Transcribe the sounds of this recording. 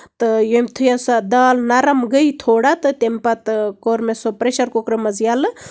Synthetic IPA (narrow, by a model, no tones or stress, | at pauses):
t̪ɨjomʲt̪ʰujasad̪aːlnɐɾɐmɡəjt̪ʰoːɽat̪ɨt̪empɐt̪koːɾmesopɾeʃɐɾkokɾɨmɐzjalɨ